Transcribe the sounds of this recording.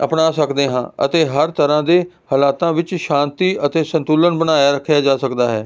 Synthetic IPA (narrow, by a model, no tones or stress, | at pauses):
əpnaːsəkd̪eːɦãːə̰t̪eːɦəɾt̪əɾãːd̪eː | həlaːt̪ãːʋɪt͡ʃʃãːnt̪iːət̪eːsə̃nt̪uːlənbəñaːjaːɾəkʰːjaːd͡ʒaːsəkd̪aːɦɛː